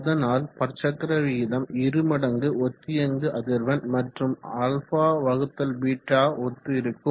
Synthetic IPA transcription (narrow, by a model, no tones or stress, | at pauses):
ðɐnaːlpɐɾt͡ʃɐkːɾɐʋiːðɐmɪɾɯmɐɽɐŋɡɯɔt̪ːɪjɐŋɡɯʔɐðɪɾʋɐnmɐʈrɯmɐlfaːʋɐɣɯt̪ːɐlʋiːʈːaːɔt̪ːɯɪɾɯkːɯ